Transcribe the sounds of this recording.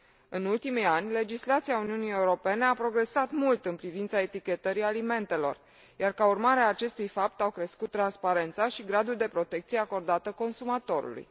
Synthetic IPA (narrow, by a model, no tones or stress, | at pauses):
ɨnult̪imijanʲle̞d͡ʒislat̪siauniunije̞uɾo̞pe̞ne̞apɾo̞ɡɾe̞sat̪mult̪ɨnpɾivint̪sae̞t̪ikʲe̞t̪əɾialime̞nt̪e̞lo̞̰r | jarkaurmaɾeaːt͡ʃe̞st̪ujfap̚t̪awkɾe̞skut̪ːɾanspaɾe̞nt̪saʃiɡɾad̪uld̪e̞pɾo̞t̪e̞k̚t̪sijeako̞rd̪at̪əko̞nsumat̪o̞ɾṵlṵj